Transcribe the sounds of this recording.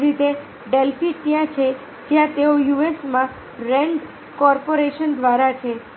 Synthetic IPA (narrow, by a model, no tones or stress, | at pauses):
ɾit̪e | ɖelfiʈt̪jãt͡ʃʰe | d͡ʒjãt̪eojuesmã | ɾeɳɖ | kɔɾpoɾeʃənd̪ʋaɾat͡ʃʰe